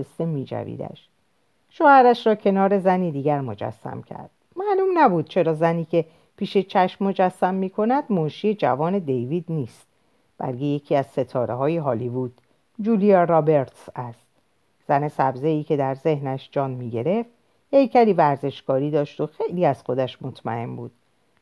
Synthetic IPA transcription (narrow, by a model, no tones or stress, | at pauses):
est̪emːiːd͡ʒæ̰vḭːd̪æ̰ʃ | ʃoːhæɾæʃɾɒːcʰe̞nɒːɾe̞zæniːd̪iːɡæɾmo̞d͡ʒæ̰sːæ̰mcʰæ̰ɾd̪̥mæʔlumnæbuːd̪̥̚t͡ʃʰe̞ɾɒːzæniːcʲʰe̞ | pʰiːʃe̞t͡ʃʰæʃmːo̞d͡ʒæsːæmːiːkʰo̞næd̪̥monʃije̞d͡ʒæ̰vɒːne̞d̪e̞jviːd̪niːst̪̚ | b̥æ̰lkʰe̞je̞cʰiːæz̥se̞t̪ʰɒːɾeɦɒːjiɦɒːlivuːd̪̥ | d͡ʒuːliɒrɒbe̞ɾt̪sæst̪̚ | z̥æne̞sæbze̞iːcʰe̞d̪æɾze̞hnæʃd͡ʒɒːnmiːɟe̞ɾe̞ft̪ | he̞jcʰæɾiːvæɾze̞ʃkɒːɾiːd̪ɒːʃt̪o̞xe̞jliːæz̥xo̞d̪æʃmo̞t̪ʰmæ̰e̞mbuːd̪̥